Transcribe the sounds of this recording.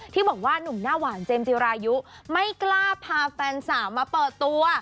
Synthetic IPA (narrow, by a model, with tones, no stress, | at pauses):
t̪ʰiː˥˩bɔː˨˩k̚waː˥˩nu˨˩mnaː˥˩waː˩˦nt͡ɕeː˧mt͡ɕi˧ɾaː˧ju˦˥ma˥˩jklaː˥˩pʰaː˧fɛː˧nsaː˩˦mːaː˧pɤː˨˩t̪ːu˧ɐ